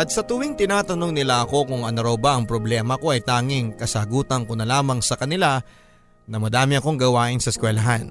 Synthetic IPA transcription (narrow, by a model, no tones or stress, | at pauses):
ʔɐt̪̚sɐt̪ʊwɪŋt̪ɪnaːt̪ɐno̞ŋnɪlaʔɐko̞kʊŋɐnʊɾawbaʔɐŋpɾoblɛːmɐko̞ʔɐjt̪aːŋɪŋkɐsɐaɡuːt̪ɐnkonɐlaːmɐŋsɐkɐnɪla | nɐmɐd̪aːmɪɐko̞ŋɡɐwaːʔɪnsɐskwɛlɐɦan